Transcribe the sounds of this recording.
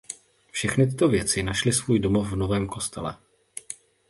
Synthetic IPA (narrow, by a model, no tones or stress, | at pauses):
fʃɛxnɪt̪ɪt̪o̞vjɛt͡sɪnaʃlɪsvuːjdo̞mo̞fvno̞vɛːmko̞st̪ɛ̰lɛ̰